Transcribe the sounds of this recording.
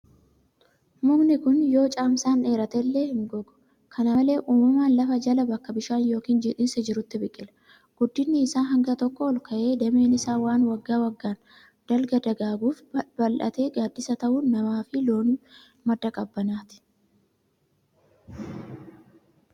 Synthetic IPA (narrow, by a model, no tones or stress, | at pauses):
mʊɡnɪkʊnjo̞ːt͡ʃʼaːmsaːne̞ːɾɐt̪ɛlːe̞ːhɪŋɡɔɡʊ̥ | kʰɐnɐle̞ːʔuːmɐmaːnlɐfɐd͡ʒɐlɐbɐkːɐbɪʃaːnjo̞ːkiːnd͡ʒɪᶑɪnsɛd͡ʒɪɾʊt̪ːɪbɪkʼːɪlɐ̥ | ɡ̥ʊd̪ːɪnːɪːsaːnɦɐŋɡɐt̪ɔkːɔːlkʰɐʔe̞ːd̪ɐme̞ːnɪsaːwaːnwɐɡːaːwɐɡːaːn | d̪̥ɐlɡɐd̪ɐɡaːɡuːfbɐlʔɐ̰t̪e̞ːɡaːd̪ːɪsɐt̪ɐʔuːnːɐmaːfɪlo̞ːn | mɐd̪ːɐkʼɐbːɐnaːt̪ɪ̥